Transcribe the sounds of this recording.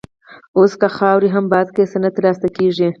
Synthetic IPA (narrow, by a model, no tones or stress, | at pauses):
oskaxɑwɾiɦambɑd̪̚kesənat̪lɑst̪akeʐi